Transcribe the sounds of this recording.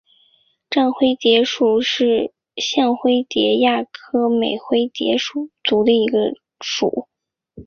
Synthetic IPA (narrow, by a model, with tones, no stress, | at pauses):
ʈ͡ʂa˥˧nxwe˥˩ɪt̪jɛ˧˥ʂu˨˩ʂɻ̩˥˩ | ɕjɑ˥˧ŋxwe˥ɪt̪jɛ˧˥ja˥˩kʰɤ˥me˨˩ɪxwe˥ɪt̪jɛ̰˧˥ʂu˨˩t͡su˧˥d̪ə˧i˧˥ɡə˧ | ʂṵ˨˩˦